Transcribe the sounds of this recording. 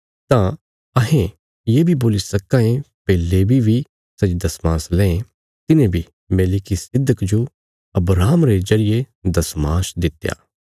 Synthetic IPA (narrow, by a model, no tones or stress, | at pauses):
t̪ã | ɐɦẽ | jeːbʱiboːlisɐkːãẽpɛːlːebʱibʱi | sɐt͡ʃd̪ɐsmãːslɛ̃ːẽ | t̪ɪnẽbʱi | meːlɪkisɪd̪ʱːəkd͡ʒo | ɐbɾaːmɾezɐɾɪje | d̪ɐsmaːsd̪ɪt̪ːja̰ː